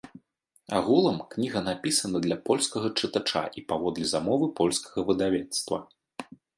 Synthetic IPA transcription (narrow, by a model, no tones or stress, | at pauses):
a̰ɣulˠɐmknʲiɣɐnapʲisɐnɐd̪lʲɐpɔlʲskɐɣɐt͡ʂɨt̪at͡ʂa̰ʔipavɔd̪lʲizamɔvɨpɔlʲskɐ̥ɣɐvɨd̪avʲɛt̪st̪vɐ̰